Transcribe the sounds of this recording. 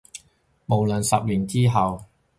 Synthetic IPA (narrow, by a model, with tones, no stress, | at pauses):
mo˨˩wlɐ˨˩nsɐ˨p̚liː˨˩nt͡siː˥ɦɐ˨w